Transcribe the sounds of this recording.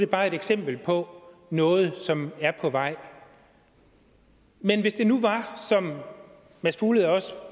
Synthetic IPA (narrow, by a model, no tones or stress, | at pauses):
d̥e̝b̥ɑ̈ːe̝d̥eɡ̥sem̰b̥l̩pʰɒ̽nɔ̽ːð̞̩ˠsɒ̽mæɐpʰɒ̽ʋɑ̈ɪ̰ | menʋe̝sd̥e̝nuʋɑ̈sɒ̽m | mæsb̥ʰuːləðˠɒ̽sə